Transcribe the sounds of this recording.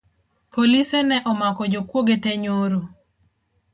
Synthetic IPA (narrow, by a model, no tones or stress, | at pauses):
polisɛnɛʔɔmakɔd͡ʒokwoɡetɛɲoɾo